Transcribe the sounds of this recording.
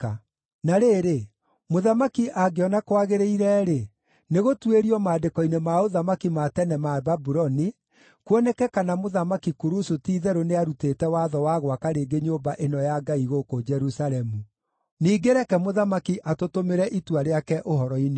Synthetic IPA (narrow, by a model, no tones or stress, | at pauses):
a | naɾeːɾe | moðamakiʔaɡeɔnakwaɣeɾeiɾɛɾe | neɣotweɾiɔmaːdekɔinemaoðamakimatɛnɛmababuɾɔni | kwɔnɛkɛkanamoðamakikuɾusutiːðɛɾoneaɾutetɛwaðɔwaɣwakaɾeːɡeɲoːbaʔenɔjaɡaiɣokod͡ʒɛɾusalɛmu | niːɡeɾɛkɛmoðamakiʔatotomeɾɛʔitwaɾeakɛʔoɦɔɾɔine